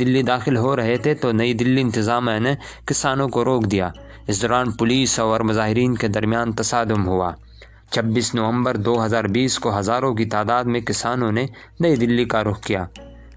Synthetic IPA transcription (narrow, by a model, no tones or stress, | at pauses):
d̪ɪlːid̪aːxɪlɦoɾɐɦet̪ʰet̪onɐid̪ɪlːiɪ̃nt̪ɪzaːmene | kɪsaːnõkoɾoːkd̪ijaː | ɪsd̪ɔːɾaːnpʊliːsɔːɾmʊzaːɦɪɾiːnked̪ɐɾmijaːnt̪ɐsaːd̪ʊmɦʊa̰ː | t͡ʃʰɐbːiːsnɐʋə̃mbəɾd̪oːɦɐzaːɾbiːskoɦɐzaːɾõk̬it̪aːd̪aːd̪mẽkɪsaːnõne | nɐid̪ɪlːikaɾʊxkijaː